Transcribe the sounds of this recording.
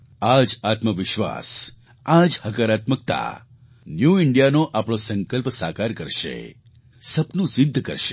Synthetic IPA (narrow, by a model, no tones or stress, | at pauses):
ad͡ʒat̪məʋɪʃʋa̰s | ad͡ʒhəkəɾat̪mək̚t̪a̰ | njuɪɳɖijanoʔapɽ̃osə̃ŋkəlpsakaɾkəɾʃḛ | səpnũsɪd̪ʱːkə̰ɾʃe